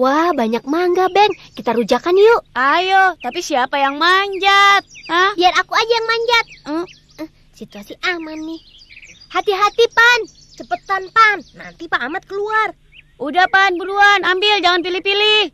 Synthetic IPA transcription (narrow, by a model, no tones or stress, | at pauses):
wabaɲak̚maŋɡabɛŋkit̪aɾud͡ʒakanijoʔʔajot̪apisiapajaŋmaɲd͡ʒat̪̚həbiarakuad͡ʒajaŋmaɲd͡ʒat̪̩̚ | sit̪uasiʔamanːɪh | hat̪iɦat̪ipan | t͡ʃəpət̪anpanːa̰nt̪ipaːmat̪̚kəluar | ʔudahpanbuɾuanambɪld͡ʒaŋanp̬ilipilih